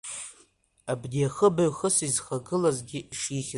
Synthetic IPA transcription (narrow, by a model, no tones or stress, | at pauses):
abdijaχəbaɥχəsizχaɡɨlazɡʲɪʂiχʲ